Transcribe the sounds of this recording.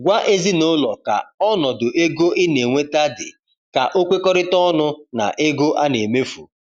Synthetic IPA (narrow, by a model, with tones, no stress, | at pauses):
ɡʷa˦ʔe˦zi˦no˦lɔ˨ka̰˨ɔ˦nɔ˨dʊ˨ʔe˦ɡo˦ʔɪ˦ne˨ŋʷe˦ta˦dɪ̰˨ | ka̰˨ʔo˦kʷe˦kɔ˦ɾɪ˦tɔ˦nʊ˦na̰˨ʔe˦ɡo˦ʔa˦ne˨me˦fṵ˨